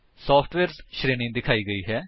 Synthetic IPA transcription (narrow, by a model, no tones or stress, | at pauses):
sɔːpʰʈʋɛːɾʃɾeːnɪ̃ŋɡd̪ɪkʰaːiːɡəiːɦɛː